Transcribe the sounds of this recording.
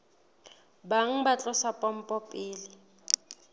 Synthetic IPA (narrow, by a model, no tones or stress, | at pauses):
baŋ̩bat͡ɬʼɔsapʼɔm̩pʼɔpʼɪːlɪ